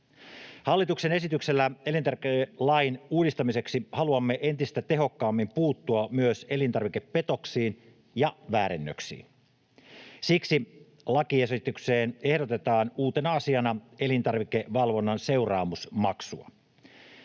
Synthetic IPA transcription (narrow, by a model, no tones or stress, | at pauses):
hɑlːit̪uksene̞sit̪ykselːæelint̪ɑrklɑjnuːdist̪ɑmise̞ksihɑluɑmːeʔe̞nt̪ist̪æt̪e̞ɦo̞kːɑːmːimpuːt̪ːuɑmyøse̞lint̪ɑrʋikepːe̞t̪o̞ksiːn | jɑʋæːɾenːø̰ksḭːn | siksi | lɑkiesit̪ykseːne̞hɾot̪e̞t̪ɑːnuːt̪enɑɑsiɑnɑelint̪ɑrʋikeʋɑlʋo̞nːɑnse̞urɑːmusmɑksuɑ̰